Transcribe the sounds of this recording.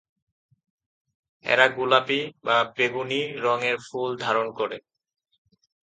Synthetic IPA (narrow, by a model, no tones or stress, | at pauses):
ɛ̰ɾaɡulapibabeɡuniɾɔŋeɾfuld̪ʱaɾonkoɾe